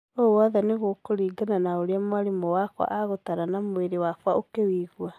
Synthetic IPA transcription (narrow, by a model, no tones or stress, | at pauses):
owɔðɛneɣokoɾiːɡananaoɾeamwaɾemowakwa̰ʔaɣotaɾanamweɾewakwaokewiːɣwa